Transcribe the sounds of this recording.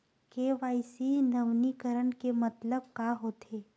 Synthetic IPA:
keːʋaːisinɐʋnikəɾəɳkemɐt̪ləb̚kaːɦoːt̪ʰeː

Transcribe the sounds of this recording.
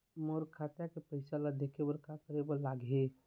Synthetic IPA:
moːɾkʰaːt̪jakepəɪsalad̪ekʰebəɾkakəɾebəlaːɡɦe

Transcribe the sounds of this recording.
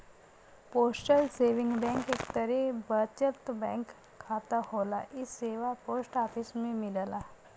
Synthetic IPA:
poːsʈəlseːʋɪ̃ŋɡbɛ̃ːŋkeːkt̪əɾɛbət͡ʃət̪bɛ̃ːŋkʰː | aːt̪ahoːlaʔɪsːeːʋapoːsʈaːpɪsmẽmɪlla

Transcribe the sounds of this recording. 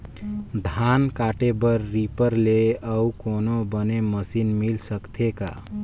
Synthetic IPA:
d̪ʱankaʈebəɾːipəɾleəukonobəneməsinmilsəkt̪ʰeka̰

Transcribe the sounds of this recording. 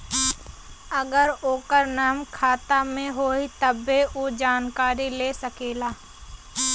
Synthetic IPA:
ɐɡəɾoːkəɾnaːmkʰaːt̪amẽɦoːit̪ɐbːeʔod͡ʒaːnkaːɾileːsɐkeːlaː

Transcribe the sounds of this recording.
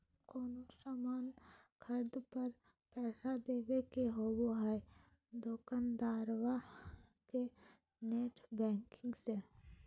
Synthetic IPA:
koːnosamaːnkʰəɾd̪pəɾ | pɛːsad̪eːʋekeɦoboɦɛ | d̪oːkənd̪aːɾʋake | neːʈʰbɛ̃ːŋkɪ̃ŋɡse

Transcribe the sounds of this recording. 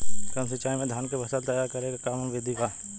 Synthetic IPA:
kɐmsɪt͡ʃaːjmẽd̪ʱaːnkebʱɐsat̪ɐjaːɾkɐɾeːɡakaːmənʋeːd̪ʱikaː

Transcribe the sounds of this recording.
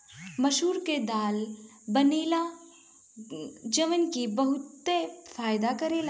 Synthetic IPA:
mɐʃɦuːɾked̪aːl | bɐniːla | d͡ʒəʋənkibɐɦʊt̪ːefaːjɪd̪akɐɾeːl

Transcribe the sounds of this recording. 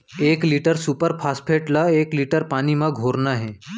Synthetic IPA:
eːkliːʈəɾsuːpəɾpʰaːspʰeːʈlaeːkliːʈəɾpaːnimãɡʱoːɾnaɦɛ

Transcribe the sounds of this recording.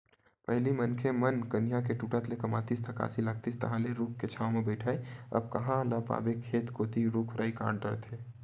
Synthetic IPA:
pəɦlimənkʰemənkənijakeʈuːʈat̪lekɐmaːt̪ist̪ʰəka̰ːsilaɡ̚t̪ist̪ɐɦãleɾuːkʰket͡ʃʰaːʋmẽbɛɪʈʰaːeɐ̰b̚kɐɦãləpa̰ːbekʰːeːt̪koːt̪iɾukʰɾʔaːika̰ːɽɖəɾt̪ʰeː

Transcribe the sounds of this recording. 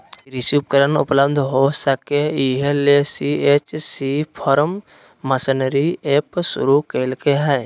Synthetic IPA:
ɾɪsuːp̚kəɾənʊ̰pləbd̪ʱɦoːsəkːeiɦelesiet͡ʃsipʰɔɾəmː | əsənɾiepsʊ̰ɾukelkeɦɛː

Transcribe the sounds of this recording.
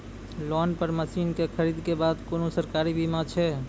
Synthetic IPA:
lɔnpəɾməsinkekʰəɾid̪kebad̪konosəɾkaɾibʱimãt͡ʃʰɛ

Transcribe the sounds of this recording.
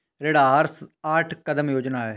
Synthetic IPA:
ɾeːɽaːəɾsaːʈʰkəd̪əmjoːd͡ʒnaːɛː

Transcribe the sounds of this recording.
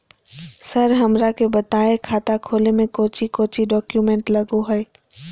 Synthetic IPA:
sɐɾɦɐmɾakebɐt̪aːekʰaːt̪akʰoːlemẽkoːt͡ʃikoːt͡ʃiɖɔːkjumẽːɳʈlɐɡoɦɛː

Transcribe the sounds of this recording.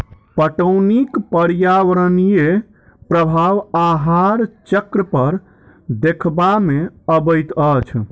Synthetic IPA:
pəʈəwnikpəɾjaʋɾənije | pɾəbʱaʋaɦaɾt͡ʃəkɾəpəɾ | d̪ekʰbameəbəjt̪ət͡ʃʰ

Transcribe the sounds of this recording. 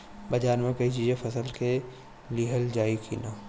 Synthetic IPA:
bɐd͡ʒaːɾmẽkɐit͡ʃiːzẽpʰɐsəlke | liɦəld͡ʒaːikʰḭːnaː

